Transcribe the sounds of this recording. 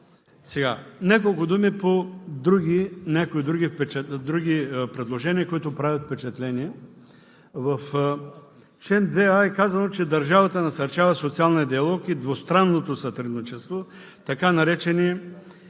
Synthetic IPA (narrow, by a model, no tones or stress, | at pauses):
sɛɡanʲakolˠkʊd̪umipod̪ɾuɡ̟inʲakoid̪ɾuɡifpɛt͡ʃɛd̪ɾuɡipɾɛd̪lˠoʒɛniɐkoit̪ʊpɾavʲət̪fpɛt͡ʃɛt̪lɛniɛ | vɐf | t͡ʃɛnd̪vɛaɛkazɐnot͡ʃɛd̪ɐɾʒavɐt̪ənɐsɐɾt͡ʃavɐsot̪sialˠniɐd̪iɐlˠɔkid̪vost̪ɾanːot̪osɐt̪ɾɛd̪nit͡ʃɛst̪vo | t̪ɐkanɐɾɛt͡ʃɛni